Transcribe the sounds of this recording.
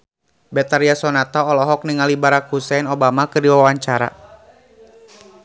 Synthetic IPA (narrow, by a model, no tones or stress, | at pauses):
bɛt̪aɾiasɔnat̪ɔːlɔɦɔk̚niŋalibaɾak̚husɛnɔbamakɨrdiwawaɲt͡ʃaɾa̰